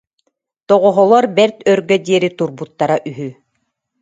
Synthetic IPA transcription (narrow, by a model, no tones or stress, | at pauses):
t̪ɔʁɔɦɔlˠɔɾbɛɾt̪œɾɡœd̪iɛɾit̪uɾbut̪ːaɾaʔyɦy